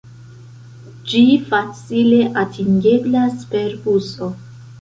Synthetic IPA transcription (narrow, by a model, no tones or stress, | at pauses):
d͡ʒifat͡sile̞ʔatʰiŋɡe̞blaspe̞ɾbuso̞